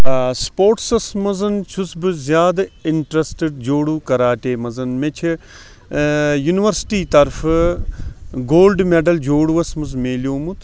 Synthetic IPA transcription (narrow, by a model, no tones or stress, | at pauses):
spoːɾʈsɐsmɐzɐnt͡ʃʰusbɨzʲjaːd̪ɐiɳʈɾɐsʈeɖd͡ʒoːɽukɐɾaːʈeːmɐzɐnmet͡ʃʰi | juniʋɐɾsʈiːt̪ɐɾfɨ | ɡoːlɖmeɖɐld͡ʒoːɽuʋɐsmɐzmeːlijoːmut̪ʰ